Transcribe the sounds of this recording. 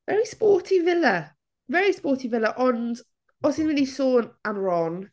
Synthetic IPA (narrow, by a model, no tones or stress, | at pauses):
vɛɹispɔːˑtʰivɪlə | vɛɹispɔːˑtʰivɪləʔɔn | ɔsɪnmɪlisoːnãnɹɔn